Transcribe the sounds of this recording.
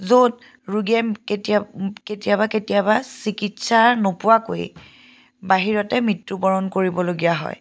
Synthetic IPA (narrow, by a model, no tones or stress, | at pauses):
zod | ɹuɡɛketketijabaketijabasikitsaɹnopʊwako̰j̰ | baɦiɹɔtɛmitːubɔɹɔnkoɹibɔloɡijaɦɔ̰j